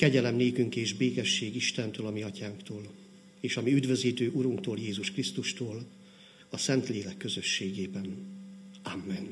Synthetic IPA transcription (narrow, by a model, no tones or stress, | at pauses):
kɛɟɛlɛmneːkyŋkeːʒbeːkɛʃːeːɡiʃt̪ɛnt̪øːlɒmiɒcaːŋkt̪oːl | eːʃɒmiyd̪vø̞ziːt̪øːʔuɾuŋkt̪oːljeːzuʃkrist̪uʃt̪oːl | ɒsɛnt̪leːlɛkːø̞zø̞ʃːeːɡeːbɛn | amːɛn